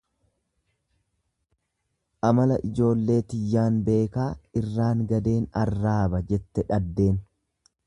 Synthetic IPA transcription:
ʔɐmɐlɐʔɪd͡ʒo̞ːlːe̞ːt̪ɪjːaːnbe̞ːkaːɪrːaːŋɡɐd̪e̞ːnɐrːaːbɐd͡ʒɛt̪ːɛᶑɐd̪ːe̞ːn

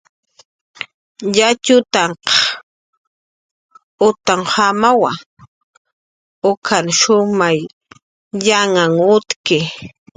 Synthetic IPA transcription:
ʎat͡ʃʊt̪aɴqɑ̥ | ʊt̪aŋhamawa̰ | ʊkʰanʃʊmaj | ʎaŋaŋʊt̪kɪ

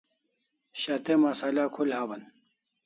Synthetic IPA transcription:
ɕat̪emasalaːkʰulhaːbɐn

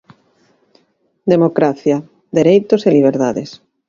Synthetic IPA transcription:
d̪emokɾaθja | d̪eɾejt̪oseliβ̞eɾt̪aðes

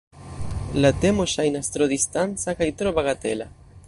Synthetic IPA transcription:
lat̪emoʃajnast̪ɾoðist̪ansakajt̪ɾoβaɣat̪ela

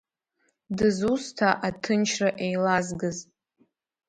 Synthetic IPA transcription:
dɨzustʰaʔatʰɨnt͡ʃʰraʔejlazɡɨz

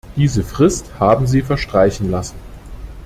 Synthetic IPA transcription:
d̥iːzəfʁ̥ɪsthaːbm̩ziːfɛɐʃtʁ̥aɪçn̩lasn̩

